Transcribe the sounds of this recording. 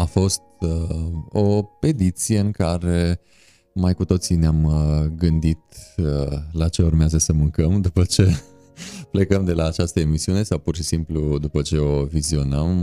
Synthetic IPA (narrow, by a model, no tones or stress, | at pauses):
afo̞st̪̚ | o̞pe̞d̪it̪sije̞ɨŋkaɾe̞ | majkut̪o̞t̪sineamɡɨnd̪it̪ | lat͡ʃe̞urmeazəsəmɨŋkəmd̪upət͡ʃe̞ | ple̞kəmd̪e̞lʔaːt͡ʃast̪əemisiune̞sawpurʃisimplud̪upət͡ʃe̞o̞vizio̞nəm